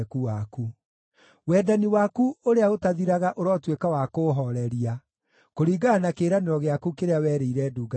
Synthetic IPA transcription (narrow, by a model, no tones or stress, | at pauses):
kuaku | wɛdaniwakuoɾeaotaðiɾaɣaʔoɾɔtwekawakoːɦɔɾɛɾia | koɾiːɡaːnakeːɾaneɾɔɣeakukeɾeawɛːɾeiɾɛduːɡa